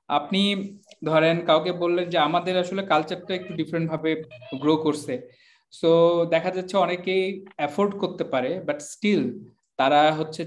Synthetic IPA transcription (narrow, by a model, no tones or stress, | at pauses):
a̰pnid̪ʱɔɾenkawk̬ebolːend͡ʑeamad̪eɾaʃolekalt͡ɕaʈːaek̚ʈuɖifɾeɳʈ̚bʱabeɡɾokoɾsʰe | sod̪ɛkʰad͡ʑatːɕʰeɔnekejɛfoɾɖkoɾt̪epaɾebaʈsʈil | t̪aɾaɦotːɕʰe